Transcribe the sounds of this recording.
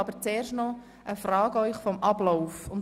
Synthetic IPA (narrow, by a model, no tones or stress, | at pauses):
ɑb̥əɾt͡seːrʃtnɔ | əfrɑːɡəœʏχfɔmʔɑblɔʊfʊn